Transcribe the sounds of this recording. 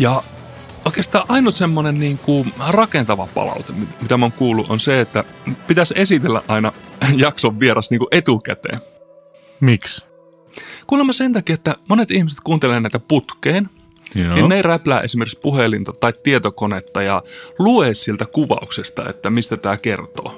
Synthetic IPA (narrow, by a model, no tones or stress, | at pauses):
jɑ | oˑikeˑst̪ɑːʔʔɑinut̪semːonenniːŋkurɑkent̪ɑʋɑ̰pɑ̰lɑ̰ut̪emmit̪æmoːŋkuːlːuʔonseet̪ːæpit̪æsesit̪elːæ̰ʔʔɑinɑjɑksoʋʋieɾʔɑsniːŋkuʔʔet̪ukæt̪ḛːn | miks | kuːlemːɑsent̪ɑkiet̪ːæmonet̪ihmiset̪kuːnt̪eleːnæˑit̪æput̪keːn | inːeiræplæːʔesimerki̥kspuhelint̪ot̪ɑit̪t̪iet̪okonet̪ːɑjɑlueːssielt̪ækuʋɑ̰ˑuksest̪ɑ̰ḛt̪ːæmist̪æt̪æːkert̪o̰ː